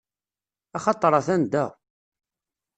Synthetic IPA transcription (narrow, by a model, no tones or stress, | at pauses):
ɑχɑt̪ˤːɾˤɑθænd̪æ